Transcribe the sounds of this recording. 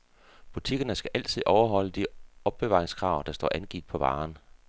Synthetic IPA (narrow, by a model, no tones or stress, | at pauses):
b̥ut͡sʰiɡ̥ɐnəsɡ̥æʔæl̰t͡sʰið̰ˠɒʊɐɦɒ̽l̰əd̥iɒ̽b̥ːe̝ʋɑ̈ːʁeŋskʰʁɑ̈ʊd̥ɑsd̥ɒ̰ːʔænɡ̥id̥̚pʰɒ̽ʋɑ̈ːn